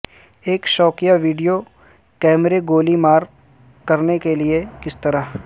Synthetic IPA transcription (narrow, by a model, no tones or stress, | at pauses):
eːkʃɔːkijaʋiːɖijo | kɛːmɾeɡoːlimaːɾ | kɐɾnekeliekɪst̪ɐɾaɦ